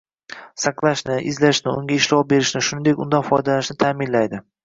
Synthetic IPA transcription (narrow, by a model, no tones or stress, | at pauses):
saqlˠaʃnɪʔɪzlaʃnɪʊŋɡʲaɪʃlɒbe̞ɾɪʃnɪʃʊnɪd̪ekʲʊnd̪anfɒjd̪alaʃnɪt̪ʰaːmɪnlajd̪ɪ